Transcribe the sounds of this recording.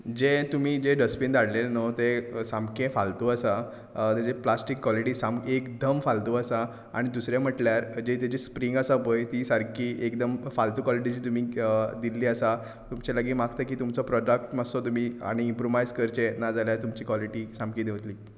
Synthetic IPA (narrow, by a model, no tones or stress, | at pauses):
d͡ʑet̪um̤iːd͡ʑeɖəspind̪aɽlelnot̪esãmkẽfalt̪uːəsa | t̪ad͡ʑeplasʈikːʋɔliʈiːsamkekd̪əmfalt̪uːəsa | a̰ɽ̃id̪usɾjam̤əʈljaɾd͡ʑet̪jad͡ʑespɾiŋɡəsabojt̪isəɾkiːʔekd̪əmfalt̪uːkɔliʈid͡ʑiːt̪um̤iːd̪ilːiːəsa | t̪umt͡ɕaləɡiːmakt̪akiːt̪umt͡sɔpɾɔɖək̚ʈməsɔt̪um̤ia̰ɽ̃iːmpɾoʋajzkəɾt͡ɕenad͡zaljat̪umt͡ɕiːkʋɔliʈisãmkĩd̪eʋt̪liː